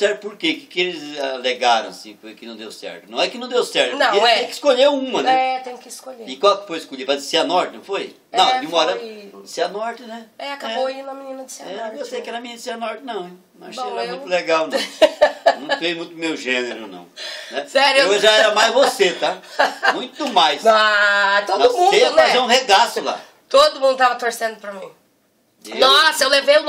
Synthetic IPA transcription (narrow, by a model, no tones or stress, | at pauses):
sɛɾt̪ʊpoɾkekɪ̥kelɪzaleɡaɾɐ̰̃w̃ɐsĩfojkɪnɐ̃w̃d̪ḛwsɛ̰ɾt̪ʊnɐ̃w̃ɛkɪnɐ̃w̃d̪ewsɛɾt̪eẽj̃kɪ̥skoʎeũmɐnɛ̃ɛt̪ẽj̃kɪskoʎeikwawkfojʃkoʎipɾɐd̪zeseɐnɔɾt̪ɪnɐ̃w̃foj | nɐ̃w̪̃ɪũmɐɔɾɐseɐnɔɾt̪ɪnɛɛakɛoinɐminĩnɐd͡ʒ̪sɛewsejkɛɾɐmininɐd̪ɪsiɐnɔɾt̪ɪnɐ̃w̃ɛ | mɐʃɛɾɐũj̪̃uleɡawnɐ̃ | nɐ̃w̃fẽjmũj̃t̪ʊmewʒẽneɾʊnɐ̰̃w̃nɛsɛɾʊeʒaɛɾɐmajzvoset̪amũj̃t̪ʊd̪ʊmajsɔt̪oɔd̪ʊmmũdeiɐfazeɾũheɡasʊla̰ | t̪od̪ʊmũd̪ʊt̪avɐt̪oɾsẽnd̪ʊpɾɐmĩ | nɔsɐewlevejũ